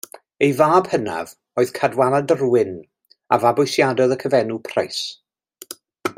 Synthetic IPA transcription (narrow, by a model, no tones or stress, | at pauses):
ejvaːb̥həna̰v | oːɨðkʰadwanadərwɪn | a̰vabʊɨsjadɔðəkʰəvɛnupʰra̰js